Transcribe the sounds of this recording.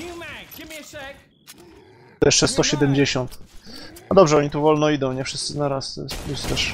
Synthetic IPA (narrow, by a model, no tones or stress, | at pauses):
jɛʂt͡ʂɛst̪ɔɕɛd̪ɛmd͡ʑeɕɔnt̪ | ad̪ɔbʐɛɔɲit̪uvɔlnɔid̪ɔ̃w̃ɲɛfʂɘst̪sɘznaɾasplust̪ɛʂ